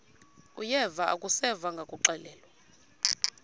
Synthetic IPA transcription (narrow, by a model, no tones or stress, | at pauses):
ujɛvaʔa̰kʼusɛvaŋɡʱakʼuǃɛlɛːlwa